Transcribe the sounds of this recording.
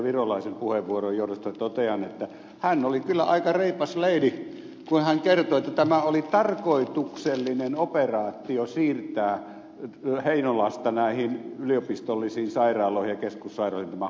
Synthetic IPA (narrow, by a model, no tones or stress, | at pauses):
ʋirolɑisempuheʋʋuorojjoˑuɾost̪ɑt̪ot̪eɑnet̪ːæ | hænːolikylːæ̰ʔɑ̰ikɑreipɑsleili | kunhæŋkert̪oet̪ːæt̪æmæolit̪ɑrkoit̪ukselːinenoperɑːt̪ːˑiosiːrt̪æː | heinolɑst̪ɑnæˑihinyliopist̪olːisiːnsɑirˑɑːloˑihijɑkeskusːɑˑirˑɑˑoint̪æmæ